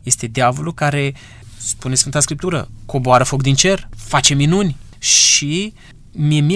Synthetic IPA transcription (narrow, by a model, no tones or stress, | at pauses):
je̞st̪e̞d̪eavo̞lukaɾe̞ | spunesfɨnt̪askɾip̚t̪uɾə̰ko̞boaɾəfo̞kd̪int͡ʃe̞rfat͡ʃe̞minunʲ | ʃi | miemi